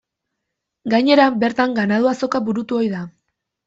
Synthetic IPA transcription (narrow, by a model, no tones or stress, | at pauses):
ɡajɲe̞ɾabe̞ɾt̪aŋɡanað̞uaso̞kaβuɾut̪uo̞jða